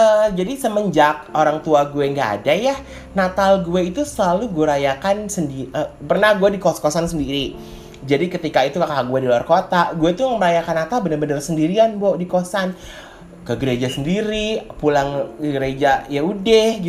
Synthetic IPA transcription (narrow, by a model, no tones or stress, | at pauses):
əd͡ʒadisəməɲd͡ʒak̚oɾaŋt̪uaɡueŋɡa̰ːdaja | nat̪alɡueit̪usəlaluɡuaɾajakansəndiʔəpərnahɡuɛdikoskosansəndiɾi | d͡ʒadikət̪ikait̪ukakaaɡuɛdiluarkot̪aɡueit̪uməməɾajakanːat̪albənərbənərsəndiɾianbodikosan | kəɡəɾed͡ʒasəndiɾipulaŋkəɡəɾed͡ʒajaudɛhɡit̪